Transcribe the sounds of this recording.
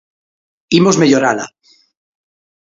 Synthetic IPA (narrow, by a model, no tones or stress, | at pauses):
imozme̞ʎoɾala̰